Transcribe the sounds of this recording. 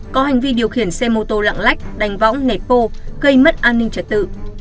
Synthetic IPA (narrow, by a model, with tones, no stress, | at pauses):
kɔ˨˦ha˨˩ŋ̟vi˧ɗi˨˩əwxi˧˩ənsɛ˧mo˧t̪o˧la̰ː˧˨ŋla˦˥k̟̚ɗa˨˩jŋ̟vɔ̰˧˥wŋ͡mne˨˩pːo˧ɣə˧jmə˦˥t̚ʔaː˧nːï˧ŋ̟t͡ɕə˨˧˩t̚t̪ɨ̰˧˨